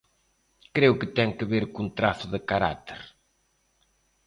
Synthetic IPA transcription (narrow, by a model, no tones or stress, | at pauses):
kɾewkɪt̪ɛŋkɪβeɾkunt̪ɾaθʊðɪkaɾa̰t̪eɾ